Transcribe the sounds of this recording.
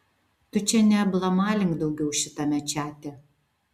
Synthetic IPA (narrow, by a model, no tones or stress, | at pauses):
t̪ʊt͡ʃʲɛnʲɛblˠɐmɑːlʲɪŋkd̪ɐʊɡʲɛʊʃʲɪt̪ɐmʲɛt͡ʃʲæːt̪ʲɪ